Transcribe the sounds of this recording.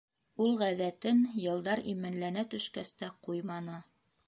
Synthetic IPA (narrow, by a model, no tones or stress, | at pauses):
ulˠʁæzæt̪ɘnjɤ̆lˠd̪ɑɾimɘ̆nlænæt̪ɵ̆ʃkæst̪æqujmɑnɤ